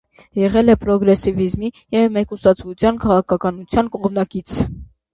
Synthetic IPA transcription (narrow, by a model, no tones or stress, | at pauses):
jɛʁɛlɛpɾɔɡɾɛsivizmi | jɛvmɛkusɑt͡sʰvut͡sʰjɑnkʰɑʁɑkʰɑkɑnut͡sʰjɑnkɔʁmnɑkit͡sʰ